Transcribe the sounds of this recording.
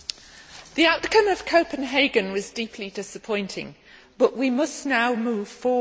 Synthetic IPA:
ðiaʊʔkʰʌ̃məv̥kʰəʊpə̃nɦeɪɡə̃nwɒzdiˑpʰlidɪsəpʰɔ̃ɪ̃ntʰɪ̰̃ŋ | b̥ʌʔwimʌsnaʊmʉːv̥fɔː

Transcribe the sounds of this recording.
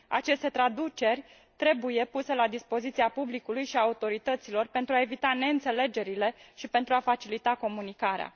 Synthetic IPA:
a̰t͡ʃe̞st̪e̞t̪ɾad̪ut͡ʃe̞rʲ | t̪ɾe̞buje̞puse̞lad̪ispo̞zit̪siapublikulujʃiaut̪o̞ɾit̪ət̪silo̞rpe̞nt̪ɾuae̞vit̪ane̞ɨnt̪se̞le̞d͡ʒe̞ɾile̞ʃipent̪ɾuafat͡ʃilit̪ako̞munikaɾea̰

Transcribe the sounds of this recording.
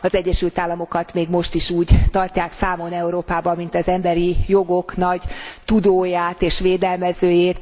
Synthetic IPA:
ɒzɛɟːɛʃylt̪aːlːɒmo̞kɒt̪meːɡmo̞ʃt̪iʃuːɟt̪ɒrcːaːksaːmo̞nɛuɾoːpaːbɒmːin̪t̪ɒzɛmbɛɾijo̞ɡo̞knɒɟt̪ud̪oːjaːt̪eːʃʋeːd̪ɛlmɛzøːjeːt̪

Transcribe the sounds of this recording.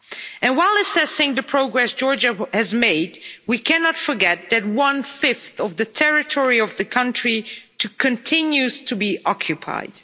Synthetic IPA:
ɨ̃nwaɪlˠɨsɛsɪ̃ŋðɨpʰɹ̥oʊɡɹɛsd̥ʒ̥ɔɹd͡ʒɨhɨzmeɪdwikʰænɑtfə˞ɡɛt̪̚ðɨt̚wʌ̃nfɪfθʌvðɨtʰɛɹɨtʰɔɹiʌvðɨkʰʌ̃nt͡ʃɹ̥itʰɨkʰɨ̃ntʰɪ̃njʉz̥tʰɨbiʔɑkʰjɨpʰa̰ɪd̥

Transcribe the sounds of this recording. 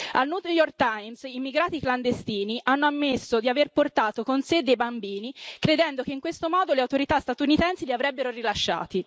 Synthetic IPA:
alnuːt̪jɔrk̚t̪ajmsiːmːiɡɾaːt̪ikland̪est̪iːniʔanːoamːesːod̪iaverport̪aːt̪okonsed̪ːejbambiːnikɾed̪ɛnd̪okeiŋkwest̪omɔːd̪oleawt̪oɾit̪ast̪at̪unit̪ɛnsiliavɾɛbːeɾorilaʃːa̰ːt̪i

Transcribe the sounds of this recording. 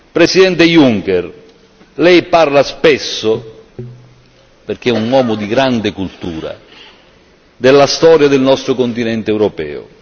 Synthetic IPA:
pɾesid̪ɛnt̪ejuŋkɛr | lɛjparlaspɛsːo | perk̟eɛunwɔːmʊd̪iɡɾand̪ɪkult̪uːɾa̰ | d̪elːast̪ɔːɾjad̪elnɔst̪ɾokont̪inɛnt̪eːwɾopɛ̰ːʊ̰

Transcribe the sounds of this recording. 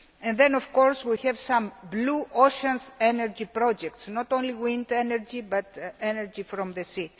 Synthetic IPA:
ɛ̃nðẽnofkɔɾswihɛvsãmbluʔoʃãnseneɾd͡ʒipɾod͡ʒɛk̚t̪snot̪õnliwĩnd̪enɛɾd͡ʒibat̪eneɾd͡ʒifɾɔ̃mðesi

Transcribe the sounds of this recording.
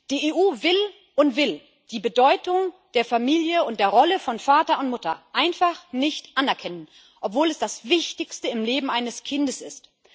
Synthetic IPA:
d̥iːʔeːʔuːvɪl | ʔʊntv̥ɪl | d̥iːbədɔʏtʊŋd̥eːɐfamiːljəʊntd̥eːɐʁɔləfɔnfaːtɐʊntmʊtɐ̰ʔaɪnfaχnɪçtʔanɛɐkʰɛnən | ʔɔpv̥oːlɛsd̥asv̥ɪçtɪçstəɪmleːbm̩ʔaɪnəskʰɪndəsɪ̰st

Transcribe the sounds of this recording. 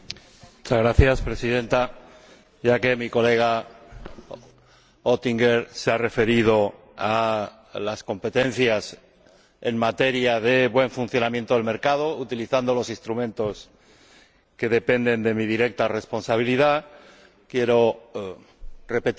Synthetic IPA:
mmut͡ʃazɣɾaθjaspɾe̞siðẽ̞nt̪a | jake̞miko̞le̞ɣ̞a | ot̪iŋɡeɾseare̞fe̞ɾið̞o̞ | a | lasko̞mpe̞t̪e̞n̟θjas | e̞ŋmat̪e̞ɾjaðe̞βwe̞ɱfun̟θjo̞namje̞nt̪oelme̞ɾkað̞o̞ut̪iliθand̪o̞lo̞sĩnst̪ɾumẽ̞nt̪o̞s | ke̞ðe̞pe̞nd̪e̞nd̪e̞miðiɾe̞k̚t̪are̞spo̞nsaβ̞iliða | kje̞ɾo̞ | re̞pet̪

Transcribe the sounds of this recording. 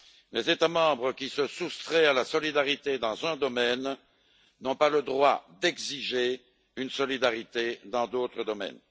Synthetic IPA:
lezet̪amɑ̃bʁəkʲisəsust̪χɛalasɔlid̪aʁit̪ed̪ɑ̃zɛ̃d̪ɔmɛn | nɔ̃paləd̪ʁwad̪ɛɡziʒe | ynsɔlid̪aʁit̪ed̪ɑ̃d̪ot̪χəd̪ɔmɛ̰n

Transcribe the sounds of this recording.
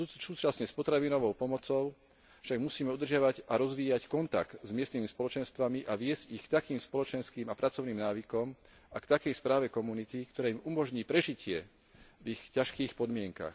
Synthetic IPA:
suːt͡ʃasɲɛspɔt̪ɾaʋinɔʋɔʊpɔmɔt͡sɔʊ | fʃaɡmusiːmɛud̪r̩ʒɪaʋaɟaɾɔzʋiːackɔnt̪a̰kt̪zmɪɛst̪nimispɔlɔt͡ʃɛnst̪ʋamiʔaʋɪɛzɟixkt̪akiːmspɔlɔt͡ʃɛnskiːmapɾʔat͡sɔʊniːmnaːʋikɔm | akt̪akɛjspɾaːʋɛkɔmunit̪ikt̪ɔɾɛːimumɔʒɲiːpɾɛʒicɪɛ | vixcaʃkiːxpɔd̪mɪɛŋka̰x

